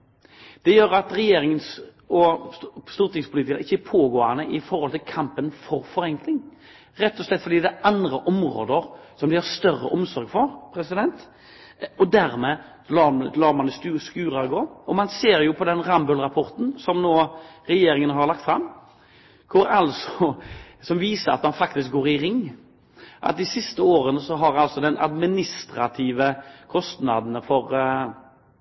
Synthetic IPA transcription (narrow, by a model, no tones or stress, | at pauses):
d̪̥ɛjøːɾɑt̪ɾɛjeːɾɪŋəns | ɔst̪uːɾt̪ɪŋspʰʊliːt̪ɪkɑnəɪçːəpʰoːɡoːɑnəʔɪfɔɾhɔlt̪ʰɪlkʰɑmpənfɔɾfɔɾɛŋklɪŋ | ɾɛt̪ːɔslɛt̪ːfɔɾd̪iːd̪æʔɑnd̪ɾəʔɔmɾo̰ːd̪əɾsɔmd̪ɪhɑst̪œrːə̰ʔɔmsɔɾɡfɔɾpʰɾɛsɪd̪ɛnt̪ | ɔd̪æɾmɛ | lɑːlɑːɾmɑnsʉskʉːɾɑɡoːɔmɑnseːɾjʊpʰɔd̪ɛnɾɑmbʉlɾɑpʰɔɾt̪n̩sɔmnoːɾɛjeːɾɪŋənɦɑɾɭɑkt̪fɾɑmː | kʰʊɾɑlsɔsɔmʋiːsəɾɑ̰t̪mɑnfɑk̚t̪ɪsk̚ɡoːɾɪɾɪŋː | ʔɑ̰t̪̚d̪ɪsɪst̪əoːɾənəsɔɦɑɾɑlsɔd̪ɛnɑ̰d̪mɪnɪst̪ɾɑt̪ʰiːʋəkʰɔst̪nɑd̪n̩fɔɾ